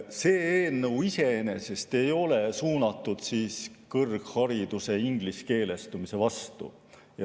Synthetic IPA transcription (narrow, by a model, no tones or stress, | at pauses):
se̞ːeːnːɤwise̞ene̞se̞st̪e̞jo̞le̞suːnɑt̪ːˑud̪̥siːskɤrɡ̥hɑɾid̪̥use̞iŋɡ̥liske̞ːle̞st̪umise̞vɑst̪ṵ | jɑ